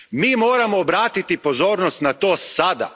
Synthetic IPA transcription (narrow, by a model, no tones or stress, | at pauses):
miːmoːɾamoːbɾaːt̪it̪ipozoːɾnost̪nat̪oːsad̪a̰